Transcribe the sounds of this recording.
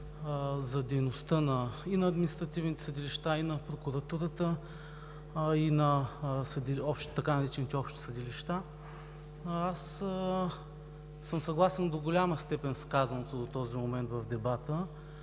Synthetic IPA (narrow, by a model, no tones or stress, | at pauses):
zɐd̪ɛjnost̪ənɐinɐːd̪minist̪ɾɐt̪ivnit̪ɛ̥səd̪iliʃt̪ainɐpɾokuɾɐt̪uɾət̪ə | inɐsɐd̪iɔpʃt̪t̪ɐkanɐɾɛt͡ʃɛnit̪ɛɔpʃt̪i̥səd̪iliʃt̪a | as | səmsɐɡlˠasɛnd̪oɡolʲaməst̪ɛpɛnskazɐnot̪od̪ot̪ɔzimomɛnt̪vɐvd̪ɛbat̪ə